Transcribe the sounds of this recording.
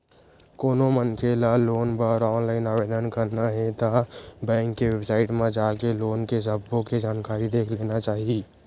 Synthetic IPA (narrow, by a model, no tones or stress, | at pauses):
koːnomənkʰelaloːnpəɾɔːnlaːɪnaːʋeːd̪ənkəɾnaɦɛ̃t̪abɛ̃ːŋkːeʋeːbsaːɪʈmẽd͡ʒaːkeloːnkesəbʱːõked͡ʒaːnkaːɾid̪eːkʰleːnat͡ʃaːɦieː